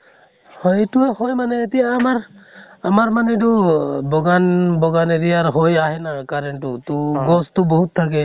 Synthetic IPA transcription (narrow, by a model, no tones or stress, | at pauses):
hɔjtuahojmanɛːtijaːmaɹamaɹmanɛdubɔɡanbɔɡaneɾiaɹɦojaɦɛnakaɾɛntutuɡɔstʊbɔɦutʰːak̬ɛ